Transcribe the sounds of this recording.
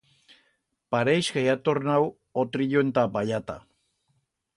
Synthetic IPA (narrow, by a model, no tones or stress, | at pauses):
paɾejsɡejat̪ornaw | ot̪ɾiʎoent̪abaʎat̪a̰